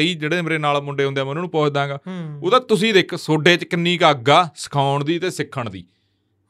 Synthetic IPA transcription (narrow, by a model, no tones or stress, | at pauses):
iːd͡ʒeːɽeːmɾeːnaːlmʊɳɖeːɦʊnd̪jɛːmənuːnũːpɔːt͡ʃd̪ãːɡaːoːd̪aːt̪ʊsĩːd̪eːkʰsoːɖeːt͡ʃkɪnːiːkaːk̚ɡaːsɪ̥kʰaːʊɳd̪iːət̪eːsɪkʰːəɳd̪ḭː